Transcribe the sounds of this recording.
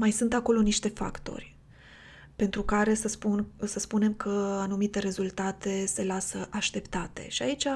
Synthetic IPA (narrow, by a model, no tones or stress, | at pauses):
majsunt̪ako̞lo̞niʃt̪e̞fa̰kt̪o̞̰rʲ | pe̞nt̪ɾukaɾe̞səpunsəspune̞mkʰəanumit̪e̞ɾe̞zult̪at̪e̞se̞lasəʔaʃt̪e̞pt̪at̪e̞̰ʃiait͡ʃʲa